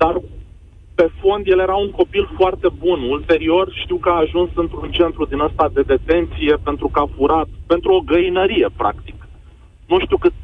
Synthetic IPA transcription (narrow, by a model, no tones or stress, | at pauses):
d̪̥ar | pe̞fo̞nd̪je̞lje̞ɾauŋko̞pilfoart̪e̞bunult̪e̞ɾio̞rʃt̪iwkəaːʒunsɨnt̪ɾunt͡ʃe̞nt̪ɾud̪inəst̪ad̪e̞d̪e̞t̪e̞nt̪sije̞pe̞nt̪ɾukəafuɾat̪pe̞nt̪ɾuo̞ɡəinəɾije̞pɾa̰kt̪ik | nuʃt̪iukɨt̪